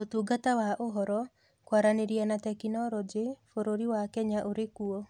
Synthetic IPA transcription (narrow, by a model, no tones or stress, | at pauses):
otuɡatawaʔoɦɔɾɔ | kwaɾaneɾianatɛkinɔɾɔd͡ʒefoɾoɾiwakɛɲaʔoɾekuɔ